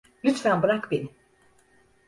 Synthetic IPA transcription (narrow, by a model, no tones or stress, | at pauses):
lʲyt̪fænbuɾakbeni